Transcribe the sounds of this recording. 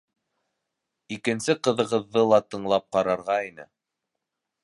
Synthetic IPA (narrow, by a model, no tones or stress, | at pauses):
ikɘ̆nsɘqɤ̆ðɤ̆ʁɤ̆ðːɤlˠɑt̪ɤ̆ɴlˠɑp̚qɑɾɑɾʁɑinɘ̰